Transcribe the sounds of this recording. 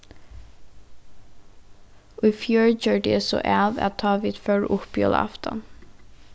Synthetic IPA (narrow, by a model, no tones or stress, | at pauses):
ʊːfjoːɹd͡ʒøːɖɛːsɔ̰ʔæʋæ̰tt̪ʰɑːʋiːd̪̥fœɹʔʊpjɔ̰lɑ̰ft̪ɔ̰n